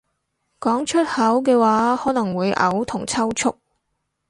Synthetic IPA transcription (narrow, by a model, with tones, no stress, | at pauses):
kɔː˨˥ŋt͡ʃʰɵ˥t̚hɐ˨˥wkɛː˧waː˨˥hɔː˨˥nɐ˨˩ŋwuː˨˧jʔɐ̰˨˥wt̪ʰʊ˨˩ŋt͡sʰɐ˥wt͡ʃʰʊ˥k̚